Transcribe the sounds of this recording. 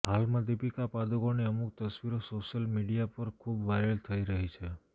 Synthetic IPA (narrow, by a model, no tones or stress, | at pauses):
ɦalmãd̪ipikapad̪oɡoneəmuk̚t̪əsʋiɾosoʃəlmiɖijapəɾkʰubʋajɾəlt̪ʰəiɾəɦit͡ʃʰe